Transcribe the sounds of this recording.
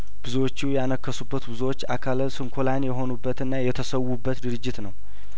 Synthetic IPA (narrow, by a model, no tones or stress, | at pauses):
b̥ɨzuwot͡ʃːujɛanəkːəsubːət̪bɨzwot͡ʃːakʰalsɨŋkʰolanjɛɦo̞nubːət̪ɨnːajɛt̪ʰəsəwːubːət̪d̪ɨɾɨd͡ʒːɪt̪nəw